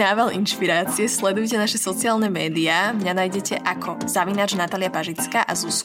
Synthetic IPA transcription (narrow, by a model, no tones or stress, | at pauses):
naːʋalʔinʃpiɾaːt͡siɛslɛd̪ujcɛnaʃɛsɔt͡siaːlnɛmɛːd̪iaːmɲanaːjɟɛcɛʔakʰɔzaʋinaːd͡ʒnat̪aːlɪjapaʒit͡skaːʔazus